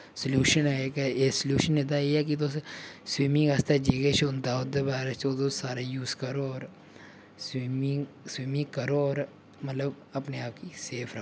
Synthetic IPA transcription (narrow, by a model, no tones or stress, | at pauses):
səljuːʃənɦɛkesəljuːʃənet̪̬ajeɦɛk̬it̪̬ossʋiːmĩŋɡaːst̪ad͡ʒeːɡet͡ʃʰʊnd̪aːod̪ebaːɾat͡ʃot̪osaːɾajuːzkɐɾoɔːɾ | swimŋ | swiːmĩkɐɾoɔːɾ | mɐt̪ləb | ɐpneaːp̚kiseːfʰɾɐo